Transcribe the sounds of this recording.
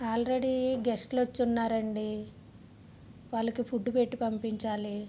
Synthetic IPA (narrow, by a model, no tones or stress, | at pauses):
aːlɾe̞ɽiɡesʈlot͡ʃːunːaːɾɐɳɖi | ʋaːɭːɐkipʰuɖːupeʈːipɐmpiɲt͡ʃaːli